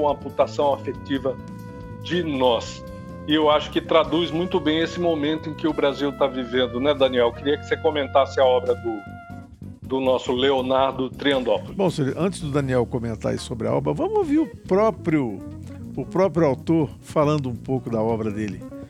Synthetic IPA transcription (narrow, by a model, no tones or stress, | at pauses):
ũɐput̪asɐ̃w̃afet͡ʃivɐ | d͡ʒɪnɔs | ɪewaʃʊ̥kɪt̪ɾad̪uzmũj̃t̪ʊbẽj̃esɪmomẽnt̪ʊẽkɪʊbɾaziwt̪avivẽnd̪ʊnɛd̪ɐ̃niɛwkɪɾiɐkɪ̥sekõmẽnt̪asɪaɔbɾɐd̪ʊ | d̪ʊnɔsʊleonaɾd̪ʊt̪ɾiɐ̃nd̪ɔpʊlʊbõseɾʔɐ̃nt͡ʃɪzd̪ʊd̪ɐniɛwkõmẽnt̪a̰ḭsobɾɪa̰ɔ̰bɾɐvɐ̃mʊoviɾʊpɾɔpɾjʊ | ʊpɾɔpɾjʊawt̪oɾ | falɐ̃nd̪ʊũpowkʊd̪ɐɔbɾɐd̪elɪ